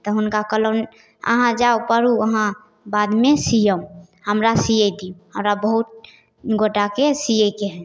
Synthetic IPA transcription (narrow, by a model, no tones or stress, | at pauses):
t̪ɔɦʊnkakələn | ə̰ɦãd͡ʒaopəɾuəɦã | bad̪mesijəũ | həmɾasijed̪iũɦəmɾabəɦut̪̚ | ɡoʈakesijekeɦɛ̃